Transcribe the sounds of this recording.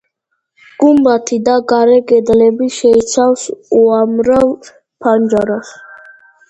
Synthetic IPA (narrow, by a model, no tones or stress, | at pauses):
ɡ̥umbat̪ʰid̪aɡaɾɛɡɛd̪lɛbiʃɛit̪sʰafsuamɾal | pʰand͡ʒaɾas